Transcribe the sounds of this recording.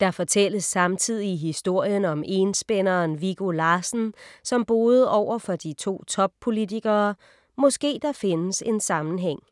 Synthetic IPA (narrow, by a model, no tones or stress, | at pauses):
d̥ɑ̈fɒ̽t͡sʰel̰əsːɑ̈mt͡sʰið̰ˠiɦisd̥o̝ɐ̰jənɒ̽me̝nsb̥enɐːnʋiɡ̥olɑ̈ːsn̩sɒ̽mb̥o̝ːð̞̩ˠɒʊ̰ɐfɒ̽d̥it͡sʰo̝̰ːt͡sʰɒ̽b̥̚pʰo̝lit͡sʰiɡ̥ɐː | mɔ̽sɡ̥e̝̰ːd̥ɑ̈fe̝nəse̝nsɑ̈mn̩ɦeŋ̰